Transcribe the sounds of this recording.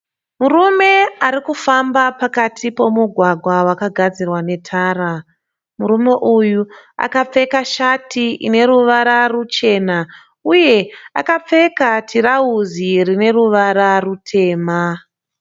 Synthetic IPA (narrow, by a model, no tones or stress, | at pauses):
murume̞aɾikufambapakatʰipo̞muɡʱwaɡʱwawakaɡʱad͡zirwane̞tʰaːɾa | muɾume̞ʔujua̰kap͡fe̞kaʃatiḭne̞ɾuʋaɾarut͡ʃe̞ːna | uje̞a̰kap͡fe̞katʰirauzirine̞ruʋaɾarutʰe̞ːma